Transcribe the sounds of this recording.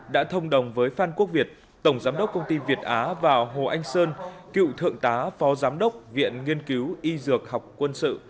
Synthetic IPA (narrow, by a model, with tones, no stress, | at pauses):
ɗa̰ː˧˥t̪ʰə˧wŋ͡mɗə˨˩wŋ͡mvəː˨˦jfaː˧nku˦˥ək̚vi˨˩ət̚ | t̪ə˧˩wŋ͡mzaː˨˦mɗə˦˥wk͡p̚kə˧wŋ͡mt̪i˧vi˨˩ət̚ʔaː˨˦vaː˨˩wɦo˨˩ʔa˧jŋ̟səː˧nkḭ˧˨wt̪ʰɨ̰˧˨əŋt̪aː˨˦fɔ˨˦zaː˨˦mɗə˦˥wk͡p̚vḭ˧˨ənŋi˧ənki˨˦wʔi˧zɨ˨˩ək̚ha˨˩wk͡p̚kːwə˧nsɨ̰˧˨